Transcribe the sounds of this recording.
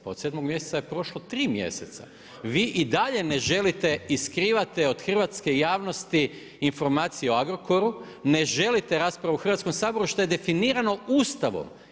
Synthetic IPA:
pao̞d̪se̞d̪moɡmje̞set̪sajepɾo̞ʃlot̪ɾiːmje̞̰set̪sa̰ | ʋiːʔid̪aʎeneʒe̞lit̪eiskɾiːʋat̪eo̞d̪xr̩ʋat̪ske̞jaːʋno̞st̪i | info̞ɾmaːt̪sijeoaɡɾo̞ko̞ɾu | ne̞ʒe̞lit̪e̞ɾaːspɾaʋuxɾr̩ʋat̪skomsaːbo̞ɾuʃt̪o̞je̞d̪e̞finiːɾano̞ust̪aʋo̰m

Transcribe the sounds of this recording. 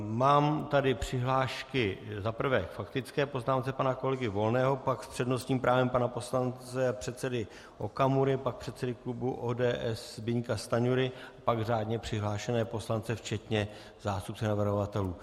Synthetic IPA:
maːmt̪adɪpr̝̥ɪɦlaːʃkɪzapr̩vɛkfakt̪ɪt͡skɛːpo̞znaːmt͡sɛpanako̞lɛɡɪvo̞lnɛːɦo̞pakspr̥ɛdnost̪ɲiːmpɾʔaːvɛmpanapo̞slant͡sɛpr̝̥ɛt̪sɛdɪ | ʔo̞̰kamuɾɪpak̚pr̥ɛt̪sɛdɪklubuʔoːdɛːʔɛsbɪɲkast̪aɲuɾɪapaɡr̝aːdɲɛpr̝̥ɪɦlaːʃɛnɛːpo̞slant͡sɛft͡ʃɛt̪ɲɛ | zaːst̪up̚t͡sɛnavr̩ɦovat̪ɛluː

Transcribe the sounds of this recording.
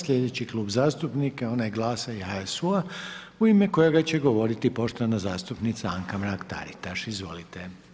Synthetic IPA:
sʎʲe̞d̪e̞t͡ɕiklˠuːbzaːst̪upnikeo̞najeɡlˠaːsaihaesua | uimeko̞jeɡat͡ɕe̞ɡo̞ʋo̞ɾit̪ipo̞ʃt̪oʋanazaːst̪upnit̪saaŋkamɾakt̪a̰ɾit̪aʃizʋo̞̰lit̪e

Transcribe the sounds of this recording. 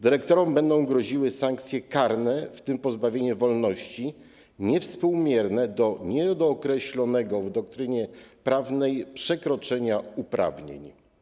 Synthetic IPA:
d̪ɘɾɛkt̪ɔɾɔmbɛnd̪ɔ̃w̃ɡɾɔʑiwɘsaŋk̚t̪sʲjɛkaɾnɛft̪ɘmpɔzbavʲjeɲɛvɔlnɔɕt͡ɕi | ɲɛfspuwmʲjɛɾnɛd̪ɔɲɛd̪ɔkɾɛɕlɔnɛɡɔvd̪ɔk̚t̪ɾɘɲɛpɾavnɛjpʂɛkɾɔt͡ʂɛɲaupɾa̰vɲḛɲ

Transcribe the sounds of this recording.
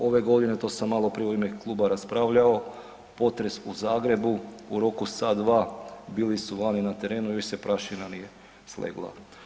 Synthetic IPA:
o̞ʋe̞ɡo̞d̪ine̞t̪o̞ːsamːalˠo̞pɾieimeklˠuːbaɾaspɾaʋʎao̞ | po̞t̪ɾe̞suzaːɡɾe̞buuɾo̞kusad̪ʋaːbiːlisuʋaːninat̪e̞ɾe̞ːnuijoʃsepɾʔaʃinanije̞ | slḛɡlˠa̰

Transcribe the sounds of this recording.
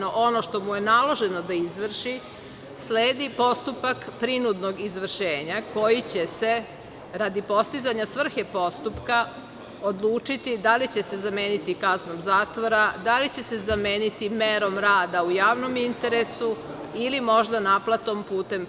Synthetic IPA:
oʔo̞no̞ʃt̪o̞muje̞nalo̞ʒeno̞d̪aizʋr̩ʃi | sleːd̪ipo̞st̪upakpɾinud̪no̞ɡizʋr̩ʃeːɲako̞jit͡ɕe̞se̞ | ɾad̪ipo̞st̪izaɲasʋr̩xepo̞st̪upka | od̪lˠuːt͡ʂit̪id̪alit͡ɕe̞se̞zameːnit̪ikaznomzaːt̪ʋo̞ɾad̪alit͡ɕe̞se̞zameːnit̪imeɾo̞mɾaːd̪aujaːʋno̞mint̪e̞ɾesu | ilimo̞ʒd̪anaplˠat̪o̞mpuːt̪e̞m

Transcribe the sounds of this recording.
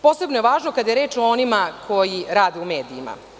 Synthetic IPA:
po̞se̞bnojeʋaːʒnokad̪ajeɾeːt͡ʃoonimakʰo̞jiɾaːd̪eumeːd̪iima̰

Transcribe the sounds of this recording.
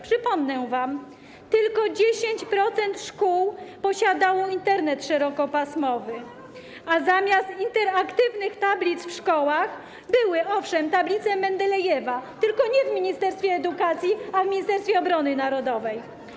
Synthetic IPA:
pʂɘpɔmnɛ̃vam | t̪ɘlkɔd͡ʑeɕeɲt͡ɕpɾɔt̪sɛnt̪ʂkuwpɔɕad̪awɔint̪ɛɾnɛt̪ʂɛɾɔkɔpasmɔvɘ | azamʲjast̪int̪ɛɾakt̪ɘvnɘxt̪ablʲit̪sfʂkɔwax | bɘwɘɔfʂɛmt̪ablʲit̪sɛmɛnd̪ɛlɛjɛvat̪ɘlkɔɲɛvmʲiɲist̪ɛɾst̪fʲjɛːd̪ukat̪sʲjiavmʲiɲist̪ɛɾst̪ʲɛɔbɾɔnɘnaɾɔd̪ɔvɛj

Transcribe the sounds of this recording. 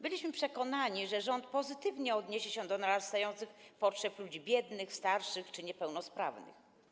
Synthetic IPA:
bɘlʲiɕmɘpʂɛkɔnaɲiʐɛʐɔnt̪̚pɔzɘt̪ɘvɲɛɔd̪ɲeɕɛɕɛd̪ɔnaɾast̪ajɔnt̪sɘxpɔtʂɛplud͡ʑibʲjɛd̪nɘxst̪aɾʂɘxt͡ʂɘɲɛpɛwnɔspɾa̰vnɘ̰x

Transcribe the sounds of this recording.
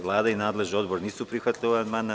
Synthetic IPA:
ʋlˠaːd̪ainaːd̪le̞ʒnio̞d̪boɾniːsupɾixʋat̪ʎʲiʋamana

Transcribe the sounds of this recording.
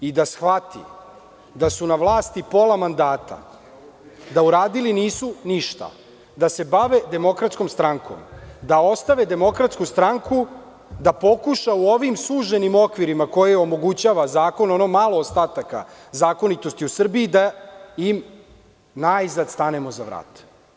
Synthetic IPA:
id̪asxʋat̪ḭ | d̪asunaʋlˠaːst̪ipo̞lˠamand̪aːt̪a̰ | d̪auɾaːd̪iliniːsuniʃt̪a̰ | d̪ase̞baʋe̞d̪e̞mo̞kɾat̪sko̞mst̪ɾaŋko̰md̪ao̞st̪aʋe̞d̪e̞mo̞kɾat̪skust̪ɾaŋku | d̪apo̞kuʃauo̞ʋimsuːʒenimo̞kʋiɾimako̞jeo̞mo̞ɡut͡ɕaːʋazaːko̞nonomalˠoːst̪aːt̪aka̰zaːko̞nit̪o̞st̪iusr̩biːd̪ajim | naizad̪st̪ane̞mo̞zaʋɾa̰ːt̪

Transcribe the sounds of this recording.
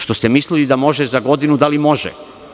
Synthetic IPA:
ʃt̪o̞st̪emislilid̪amo̞ʒezaɡo̞d̪inud̪alimo̞ʒɛ̰

